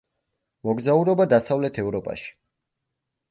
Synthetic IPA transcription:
mɔɡzauɾɔbad̪asavlɛt̪ʰɛvɾɔpʼa̰ʃi̥

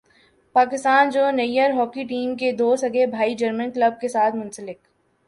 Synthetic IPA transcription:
paːkɪst̪aːnd͡ʒoːnɐijəɾɦɔːkiʈiːmked̪oːsɐɡebʱaːid͡ʒɐɾmə̃nkləb̚kesaːt̪ʰmʊ̃nsəlɪk

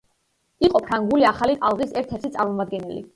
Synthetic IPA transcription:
iqʼɔpʰɾaŋɡuliaχalit̪ʼalˠʁisɛɾt̪ʰɛɾt̪ʰit̪sʼaɾmɔmad̪̚ɡɛnɛlḭ

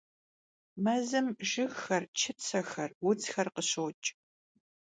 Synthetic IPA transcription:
mɐzɨmʒɪɣxɐrt͡ʃʰɪpt͡sʰɐxɐrwʊt͡sxɐrqəɕowt͡ʃʼ

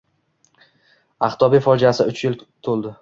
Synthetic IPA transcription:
aχt̪ʰɒbifɒd͡ʒasɪʊt͡ʃjɪlt̪ʰolˠd̪ɪ

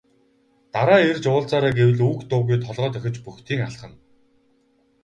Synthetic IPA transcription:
t̪aɾaːert͡ɕʊːɮt͡saːɾaːɡewɘ̆ɮuːkt̪ʊːɣujt̪ʰɔɮʁœːt̪œxʲɪ̆t͡ɕpuxt̪ʰiːŋaɬχə̆n

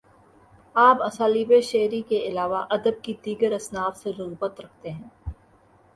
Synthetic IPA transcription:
aːpɐsaːliːbeʃeːɾikeɪlaːʋaʔɐd̪əb̚kid̪iːɡəɾɐsnaːfseɾɐɣuːbət̪ɾɐk̚ʰt̪eɦɛ̃ː

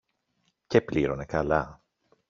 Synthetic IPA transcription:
cepliɾo̞ne̞kɐlɐ

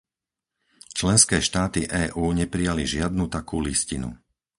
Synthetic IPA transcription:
t͡ʃlɛnskɛːʃt̪aːt̪iʔɛːʔuːɲɛpɾijaliʒɪad̪nut̪akuːliscinṵ

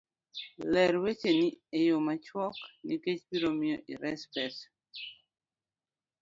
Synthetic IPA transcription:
lɛɾwet͡ʃeniejomat͡ʃwɔkniket͡ʃbiɾomɪjɔʔiɾɛspɛs

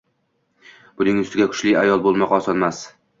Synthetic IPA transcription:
b̥ʊnɪŋʊst̪ɪɡʲakʲʰʊ̥ʃlɪajɒlˠbolˠmɒqɒsɒnmas

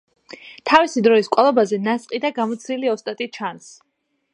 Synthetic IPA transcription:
t̪ʰavisid̪ɾɔiskʼalˠɔbazɛnasʼqʼid̪aɡamɔt̪sʰniliɔst̪ʼat̪ʼit͡ʃʰans

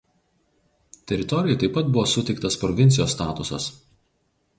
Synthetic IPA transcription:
t̪ʲɛɾʲɪt̪ɔɾʲɪjɛˑt̪ɐɪpːɐt̪̚bʊʋoːsʊt̪ʲɛɪk̚t̪ɐspɾɔʋʲɪnt̪sʲɪjoːsːt̪ɑːt̪ʊsɐ̰s

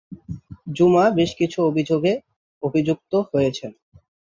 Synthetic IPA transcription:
d͡ʑumabeʃkit͡ɕʰuobʱid͡ʑoɡe | obʱid͡ʑuk̚t̪oɦojet͡ɕʰen

